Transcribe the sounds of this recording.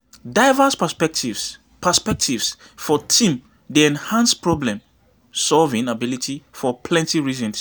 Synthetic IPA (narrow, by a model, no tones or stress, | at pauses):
daɪvəspəspɛktivs | pʰəspɛk̚tʰivs | fɔtʰĩm | deɛ̃nhãnspɹɔblɛ̃m | sɔlvĩŋabilitʰifɔpʰlɛ̃ntiɹizɔ̃ns